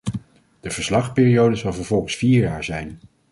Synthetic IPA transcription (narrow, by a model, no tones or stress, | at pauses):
d̥əv̥əɹslɑχpɪːrijowdəzɑlˠvəɹvɔlˠχəsfiːɹjaːɹzɛjn